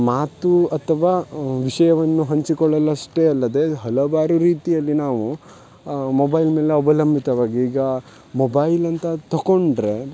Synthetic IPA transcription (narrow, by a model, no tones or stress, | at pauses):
maːt̪uɐt̪ʰɐʋaːʋiʂɐjɐʋɐnːuɦɐɲt͡ʃikɔɭɐlɐʂʈeɐlːɐd̪e̞ɦɐlɐʋaːɾuɾiːt̪ijɐlːinaːʋu | mobɐjlmeːleɐbɐlɐmbʱit̪ɐʋaːɡiiːɡɐ | mobɐjlɐnt̪ɐt̪ɐko̞ɳɖɾe